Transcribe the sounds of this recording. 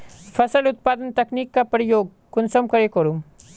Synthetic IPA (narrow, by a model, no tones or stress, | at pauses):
fɐsɐlut̪̚paːd̪ənt̪ɐkniːkːapɾijoːɡ̚ | kunsɐmkɐɾekɐɾum